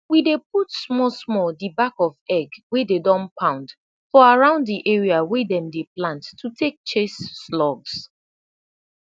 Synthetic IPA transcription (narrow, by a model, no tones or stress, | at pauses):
widep̚utsmɔsmɔldibakɔvɛɡwededɔ̃npʰãʊ̃nd | fɔaɹãʊ̃ndðiʔɛɹiawedɛ̃mdeplãntːʰutʰek̚t͡ʃesːlɔɡs